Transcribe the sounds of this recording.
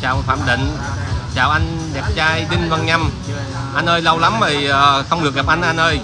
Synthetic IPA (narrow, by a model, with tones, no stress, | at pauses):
t͡ɕaː˨˩wfaː˧˨mɗ̪ḭ̈˧˨ŋ̟ | t͡ɕaː˨˩wʔa˧ŋ | ɗɛ˨˩p̚t͡ɕaː˧jɗ̪ï˧ŋva˨˩ŋɲa˧m | ʔa˧nʔəː˧jlə˧wla˨˦mvə˨˩˨xə˧wŋ͡mɗɨ˨˩ək̚ɣa˨˩p̚ʔa˧nʔa˧nʔəː˧j